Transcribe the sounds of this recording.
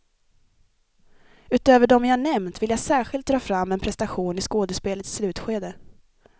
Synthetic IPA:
ʉ̟ːt̪øːvəɖɔmvjahaɳɛmnt̪vɪljaɡsæːɾɧɪlt̪̚d̪ɾɑːfɾamːɛnpʰɾɛst̪aɧuːnɪskoːd̪əspeːlət̪sːlʉ̟ːt̪ɧeːd̪ə

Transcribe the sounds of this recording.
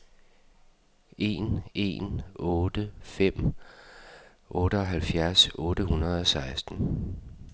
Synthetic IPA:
ʔe̝ne̝̰nɔ̽ːd̥əfem̰ | ʔɔ̽ːɾ̥əɒ̽ɦælfjæɐsɔ̽ːɾəhunɐð̞̩ˠɒ̽sɑ̈ɪsd̥n̩

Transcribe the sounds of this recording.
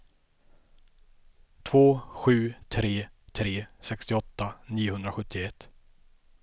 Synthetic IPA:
t̪ʰvoːɧʉ̟ːt̪ʰɾeːt̪ʰɾeːsɛkst̪ɪɔt̪ːaniːʊhɵnd̪ɾaɧɵt̪ʰːɪɛt̪ː

